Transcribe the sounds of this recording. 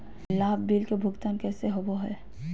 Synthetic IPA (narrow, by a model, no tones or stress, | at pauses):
laːbːiːlkebʱʊɡt̪aːnkɛːseɦoboɦɛː